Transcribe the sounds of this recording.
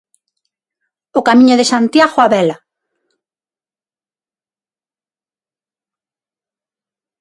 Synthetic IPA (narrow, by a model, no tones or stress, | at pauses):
ʊkamĩɲʊðesant̪jaɣoaβɛla